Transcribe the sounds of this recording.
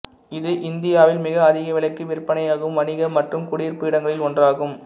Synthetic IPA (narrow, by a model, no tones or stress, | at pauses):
ɪðɯʔɪnd̪ɪjaːʋɪlmɪɣɐːðɪɣɐʋɪlɐkːɯʋɪɾpːɐnɐjaːɣɯmʋɐnɪɣɐmɐʈrɯmkʊɽiːrpɯɪɽɐŋɡɐɭɪlkɔndraːɣɯm